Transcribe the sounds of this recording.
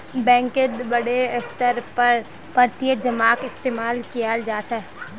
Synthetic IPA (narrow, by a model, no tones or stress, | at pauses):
bɛ̃ːŋked̪bɐɽeɪst̪əɾpəɾ | pəɾt̪ijəd͡ʒəmaːkɪst̪eːmaːlkijald͡ʒaːt͡ʃɛ